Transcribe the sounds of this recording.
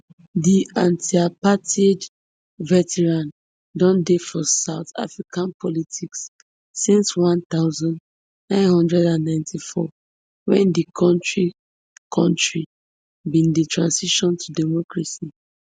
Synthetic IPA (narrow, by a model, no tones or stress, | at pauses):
diãntʰiapatʰed | vɛtɛɹãn | dɔ̃ndefɔsaʊta̰fɹikʰãnpʰɔlitʰiksː | ĩnswãnt̪aʊzɔ̃nd | nãɪ̃nhɔ̃ndɹɛdãnːãɪ̃ntʰifɔ | wɛ̃ndikʰɔ̃ntɹi | kʰɔ̃ntɹi | bĩnditʰɹãnsiʃɔ̃ntʰudɛmɔkɹasi